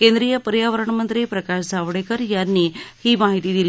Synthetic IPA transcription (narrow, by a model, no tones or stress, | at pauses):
kẽnd̪ɾijəpəɾjaʋəɾəɳmənt̪ɾipɾəkaʂd͡zʱaʋɽekəɾjanːiːhiːmaɦit̪iːd̪il